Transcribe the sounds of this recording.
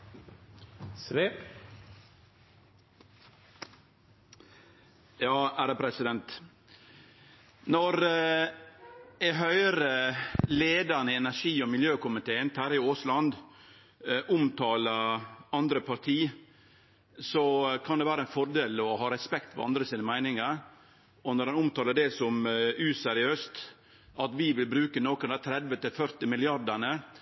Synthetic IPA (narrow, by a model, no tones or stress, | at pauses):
jɑːæːɾəpʰɾɛsɪd̪ɛnt̪ | nɔɾ | æɪɦœʏɾəleːd̪ənəɛnæʂiːɔmɪljøːkʊmɪt̪ʰeːənt̪ʰæːɾɪoːslɑnd̪ | ʔʊmt̪ʰɑːləɾɑnd̪ɾəpʰɑɾt̪ʰiː | sɔkʰɑnd̪ɛʋæːɾəænfɔɾd̪eːlɔhɑːɾɛspɛkt̪fɔ̰ɑ̰nd̪ɾəsiːnəmæɪnɪŋəɾ | ɔnɔɾɑnʊmt̪ʰɑːləɖɛsɔmʉsɛɾɪøːst̪ | ʔɑt̪ʋɪʋɪlbɾʉːkənoːkənæt̪ʰɾɛd̪ʋət̪ɪlfœɾt̪ɪmɪlɪɑɾd̪ənə